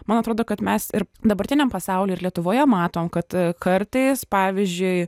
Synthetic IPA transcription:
mɐnɐt̪ɾoːd̪oːkɐt̪mʲɛsɪɾd̪ɐbɐɾʲt̪ʲɪnʲɛmpɐsɑʊlʲeːɪɾlʲiɛt̪ʊʋoːjɛmɑːt̪oːmkɐt̪kɐɾt̪ɐɪspɑːʋʲizʲd͡ʒʲʊɪ

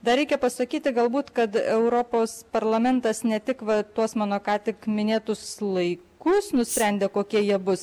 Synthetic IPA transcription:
d̪ɐɾʲɛɪkʲɛpɐsɐkʲiːt̪ʲɪɡɐlˠbuːt̪kɐt̪ɛʊɾoːpoːspɐɾlˠɐmʲɛnt̪ɐsnʲɛt̪ʲɪkʋɐt̪uɔsmɑːnoːkɑːt̪ʲɪkmʲɪnʲeːt̪ʊslˠɐɪkʊsnʊsʲpʲɾʲænʲd̪ʲeːkoːkʲiɛjiɛbʊs

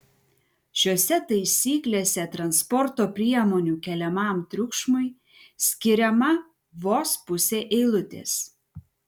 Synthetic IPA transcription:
ʃʲoːsʲɛt̪ɐɪsʲiːklʲeːsʲɛt̪ɾɐnspɔɾt̪oːpʲɾʲiɛmoːnʲuːkʲɛlʲɛmɑˑmt̪ʲɾʲʊkʃmʊɪ | sʲkʲɪɾʲɛmɐ | ʋoːspʊsʲeːʔɛɪlˠʊt̪ʲḛːs

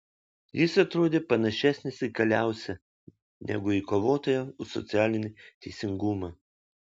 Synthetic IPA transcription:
jɪsɐt̪ɾoːd̪ʲeːpɐnɐʃʲæsʲnʲɪsɪkɐlʲæˑʊsʲɛ | nʲɛ̰ɡʊikoːʋoːt̪oːjɛʊsɔ̰t̪sʲæːlʲɪnʲɪt̪ʲɛɪsʲɪŋɡuːmɐː

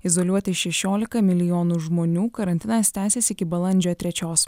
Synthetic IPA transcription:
ɪzɔlʲuɔt̪ʲɪʃʲɛʃʲoːlʲɪkɐmʲɪlʲɪjɔːnuːʒmoːnʲuːkɐɾɐnʲt̪ʲɪnɐst̪ʲæːsʲeːsɪkʲɪbɐlˠɐnʲd͡ʒʲoːt̪ʲɾʲɛt͡ʃʲoːs

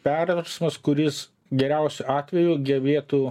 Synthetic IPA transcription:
pʲɛrʋɐɾsmɐskʊɾʲɪs | ɡʲɛɾʲɛʊsʲʊɑːt̪ʲʋʲɛjuɡʲɛʋʲeːt̪uː

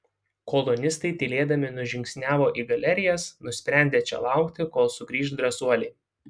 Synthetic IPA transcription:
kɔlˠɔnʲɪst̪ɐɪt̪ʲɪlʲeːd̪ɐmʲɪnʊʒʲɪŋʲksʲnʲæːʋoːʔiːɡɐlʲɛɾʲɪjɛsnʊsʲpʲɾʲæˑnʲd̪ʲeːt͡ʃʲɛ̰lˠɑˑʊkt̪ʲɪkoːlˠsʊɡɾʲiːʃd̪ɾɐsuɔlʲe

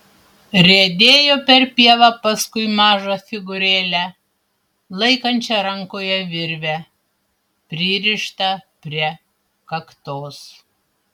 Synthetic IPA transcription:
ɾʲed̪ʲeːjoːpʲɛɾpʲiɛʋɑpɐskʊɪmɑːʒofʲɪɡʊɾʲeːlʲæ | lˠɐɪkɐnʲt͡ʃʲɛɾɐŋkoːjɛʋʲɪɾʲʋʲɛ | pʲɾʲɪɾʲɪʃt̪ɐpʲɾʲiɛ | kɐkt̪oːs

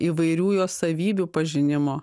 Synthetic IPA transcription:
iːʋɐɪɾʲuːjoːsɐʋʲiːbʲuːpɐʒʲɪnʲɪmoː

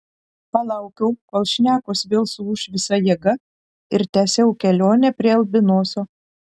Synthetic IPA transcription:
pɐlˠɑˑʊkʲɛʊkoːlˠʃʲnʲæːkoːsʋʲeːlˠsuʊʃʋʲɪsɐjiɛɡɐ | ɪɾt̪ʲæːsʲɛʊkʲɛlʲoːnʲɛpʲɾʲiɛɐlʲˠbʲɪnoːsʲoː

